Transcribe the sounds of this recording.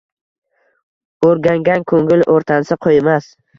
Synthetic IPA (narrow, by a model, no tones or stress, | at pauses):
oɾɡʲaŋɡʲankʰɵŋɪlʔoɾt̪ʰansɪqʰojmas